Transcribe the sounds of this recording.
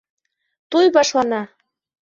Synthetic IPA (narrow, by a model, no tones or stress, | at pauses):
t̪ujβɑʃlɑnɑ